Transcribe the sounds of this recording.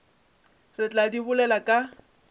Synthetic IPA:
rɪt͡ɬʼadiβʊlɛlakʼa

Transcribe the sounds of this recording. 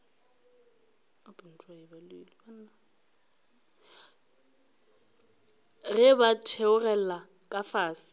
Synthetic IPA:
apʼʊn̩tʼwaɪbalilibana | rɪbatʰeʊrɛla | kʼafaːsɪ̥

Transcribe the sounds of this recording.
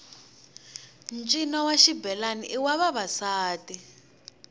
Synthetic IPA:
nt͡ʃʼinawaʃibɛlaniʔiwaβaβasaːtʼi

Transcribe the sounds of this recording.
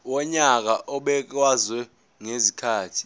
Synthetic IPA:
wɔɲak̬aʔɔɓɛk̬wazwɛ | ŋezikʰaːtʰi̥

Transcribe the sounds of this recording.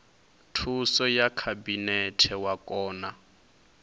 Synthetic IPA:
tʰusɔjakʰabinɛtʰɛwakʼɔːna

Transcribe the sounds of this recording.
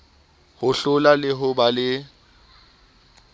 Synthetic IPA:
hʊɬʊlalɪɦʊbalɪ

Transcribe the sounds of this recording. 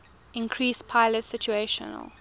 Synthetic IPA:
ɪ̃nkʰɹiːspʰaɪlətsɪt͡ʃueʃə̰nə̰l

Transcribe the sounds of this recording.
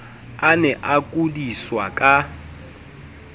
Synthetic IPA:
anɛʔakʼudiswakʼa

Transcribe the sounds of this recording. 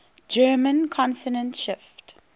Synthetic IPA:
d͡ʒɜːmə̃nkʰɔ̃nsənə̃ntʃɪft

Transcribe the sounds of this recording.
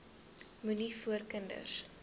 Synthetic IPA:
munifuərkəndə̰s

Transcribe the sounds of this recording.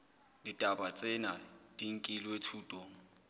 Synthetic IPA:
ditʼabat͡sʼɛnad̥iŋ̩kʼilwetʰuːtʼoːŋ̩

